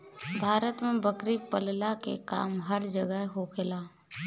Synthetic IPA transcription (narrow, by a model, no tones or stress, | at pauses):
bʱaːɾət̪mẽbəkɾipəllakḛka̰ːmɦəɾd͡ʒəɡəɦɦokʰɪlaː